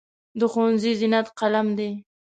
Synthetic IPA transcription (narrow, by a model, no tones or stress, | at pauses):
d̪əxowanzizinat̪qalamd̪e